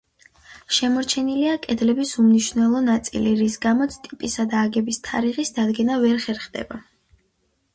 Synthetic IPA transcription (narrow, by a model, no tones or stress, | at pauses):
ʃɛmɔɾt͡ʃʰɛniliakʼɛd̪lɛbisumniʃvnɛlˠɔnat̪sʼiliɾisɡamɔt̪sʰt̪ʼipʼisad̪aːɡɛbist̪ʰaɾiʁisd̪ad̪ɡɛnavɛɾχɛɾχd̪ɛ̰ba